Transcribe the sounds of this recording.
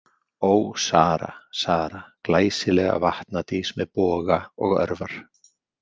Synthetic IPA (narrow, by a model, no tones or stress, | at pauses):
oːwsaːɾa̰saːɾaklaːjsɪlɛːɣa̰vaht̪nat̪ismɛðpɔːɣaɔɣœ̰ɾvaɾ̥